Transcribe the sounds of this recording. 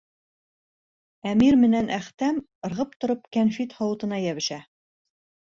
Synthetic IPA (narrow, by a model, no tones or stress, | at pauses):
æmiɾmɘ̆nænʔæχt̪æm | ɤ̆ɾʁɤp̚t̪ŏɾɤp̚kænfit̪hɑwɤ̆t̪ɤ̆nɑjæβɘ̆ʃæ